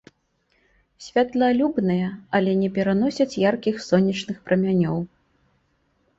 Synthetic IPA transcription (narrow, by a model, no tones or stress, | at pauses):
sʲvʲat̪lˠɐlʲubnɨjɐɐlʲɛnʲɛpʲɛɾan̪ɔsʲɐt͡sʲjarkʲixsɔnʲːɐt͡ʂnɨxpɾɐmʲanʲɔw